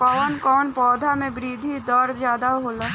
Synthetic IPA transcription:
pɐʋənkɔːnpɔːd̪ʱamẽbɾiːd̪ʱid̪ɔɾd͡ʒjaːd̪aɦoːla

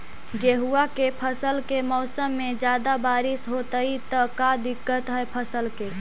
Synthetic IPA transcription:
ɡeɦuakepʰəsəlkemɔːsəmːed͡ʒjad̪abaɾisɦot̪əit̪əkad̪ikːət̪ɦəjpʰəsəlke

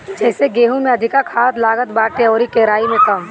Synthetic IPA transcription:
d͡ʒɛːseɡeːɦũmẽɐd̪ʱɪkakʰaːt̪laːɡət̪baːʈeɔːɾikeɾaːimẽkɐm

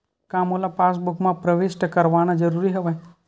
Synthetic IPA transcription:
kamolapasbukmãpɾəʋɪsʈkəɾʋanad͡ʒəɾuɾiɦəʋaj

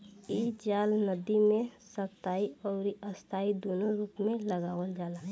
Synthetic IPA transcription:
iːd͡ʒaːlnəd̪imẽsəkt̪aːiɔːɾiʔəst̪ʰaːid̪oːnoɾuːpmẽləɡaːʋəld͡ʒaːlaː

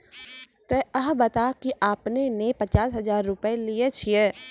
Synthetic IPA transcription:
t̪eəɦbɐt̪akiʔaːpnenepət͡ʃaːsɦɐzaːɾːʊpəeliet͡ʃʰieː

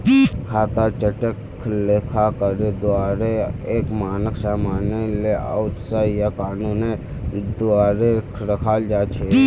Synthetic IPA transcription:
kʰaːt̪at͡ʃəʈək | leːkʰakəɾed̪ʊaːɾeeːkmaːnəksaːmaːnelea̰ʊt̪saijakaːnuːne | d̪ʊaːɾekɾəkʰaːld͡ʒaːt͡ʃʰeː

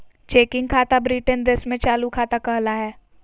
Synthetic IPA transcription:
t͡ʃeːkɪ̃ŋɡ̚kʰaːt̪abɾiːʈənd̪esmẽt͡ʃaːlukʰaːt̪akɐɦlaɦɛː

